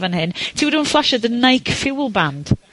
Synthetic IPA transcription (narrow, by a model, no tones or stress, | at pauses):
və̃nhɪntʰiwəɾə̃nflˠaʃəðənajkfɪwlˠbãnd̥